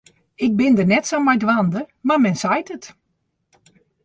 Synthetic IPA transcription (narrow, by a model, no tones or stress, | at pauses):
ɪk̚bɪndərnɛtsowmajdʋandəmarmɛnsajtət